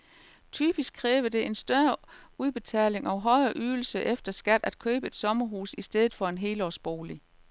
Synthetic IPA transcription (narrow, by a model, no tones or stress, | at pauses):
t͡sʰy̰ːb̥isɡ̥kʰːʁɛːʋəd̥e̝ʔe̝nsd̥ɶɐuð̞ˠb̥e̝t͡sʰɛ̰ːle̝ŋɒ̽ʊɦɒ̽ɪɐʔyːl̩səʔefd̥ɐsɡ̥æd̥æd̥̚kʰø̰ːb̥əe̝d̥sɒ̽mɐɦuːsisd̥eð̞ˠð̩ˠfɒ̽e̝nɦe̝̰ːlɒsb̥o̝̰ːli